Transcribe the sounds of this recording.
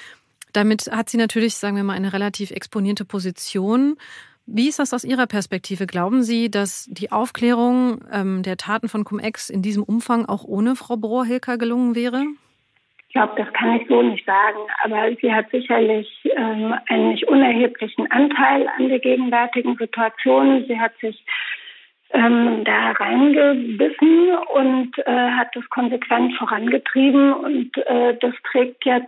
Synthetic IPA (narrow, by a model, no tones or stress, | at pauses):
d̥amɪthatz̥iːnatʰyːɐlɪçz̥aːɡŋ̩viːɐmaːlʔaɪnəʁelatʰiːfɛ̰ksponiːɐtəpʰozit͡sjoːn | viːɪstd̥asaʊsʔiːʁɐpʰɛɐspɛk̚tʰiːvəɡlaʊbm̩ziːdasd̥iːʔaʊfkl̥ɛːʁ̞ʊŋʔɛːmdeːɐtʰaːtn̩fɔnkʰʊmʔɛ̰ksɪndiːzəmʔʊmfaŋʔa̰ʊxʔoːnəfʁ̥aʊbʁoːɐɦɪlkʰɐɡəlʊŋənvɛːʁ̞ə | ɡ̥laʊbəd̥askʰanɪçz̥oːnɪçtz̥aːɡŋ̩ʔa̰ːbɐziːhatz̥ɪçɐlɪçʔɛːmaɪnənɪçtʔʊnɛɐheːpʰlɪçn̩ʔantʰaɪla̰ndeːɐɡeːɡŋ̩vɛɐtɪɡŋ̩zituat͡sjoːnziːhatz̥ɪç | ʔɛːmdaːʁaɪnɡəbɪsn̩ʊntʔɛːɦat̚d̥askʰɔnzekv̥ɛntfoːʁanɡətʁ̥iːbm̩ʊ̰ntʔɛːdastʁ̥ɛːk̚tʰjɛ